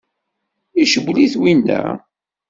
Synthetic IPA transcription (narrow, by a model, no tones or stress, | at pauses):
iʃəwliθwind̪æ̰